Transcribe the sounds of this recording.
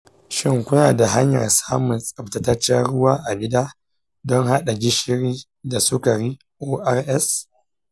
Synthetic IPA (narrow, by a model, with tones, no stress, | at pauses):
ʃɪ˦ŋkʷʊ˦naː˨da˨ɦa˦ɲjɐ̰˨rsaː˦mʊ˨nsʼɐ˨pta˨tɐ˦t͡ʃːa˦ɽʊ˦waː˦ʔa˨ɡʲɪ˦daː˦ | dɔ˦ŋɦa˦ɗa˨d͡ʒɪ˦ʃɪ˦ɾiː˦ | da˨sʊ˦ka˨ɾiː˦ | ʔoː˦ʔa˦rʔɛ˦s